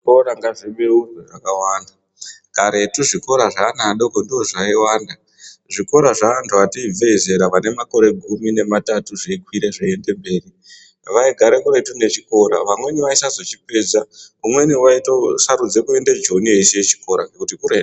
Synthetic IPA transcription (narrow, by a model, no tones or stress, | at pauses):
koɾaŋɡaʐiɓeureʐakawaːnda | ɡ̥ʱaɾe̞tuʐiko̞ɾaʐanaɗo̞kondio̞ʐaiwaːnda | ʐiko̞ɾaʐaantʰuatiivʱeze̞ɾaʋane̞mako̞ɾe̞ɡʱumine̞matatuʐeikwiɾeʐaende̞mbe̞ːri | ʋaiɡʱaɾe̞kuɾe̞tune̞t͡ʃiko̞ɾa̰ʋamwe̞niʋaisazo̞t͡ʃip̚ed͡zaumwe̞niwaitosaɾud͡zekue̞nded͡ʒo̞nieiseet͡ʃi̥ko̞ɾaŋɡekutikure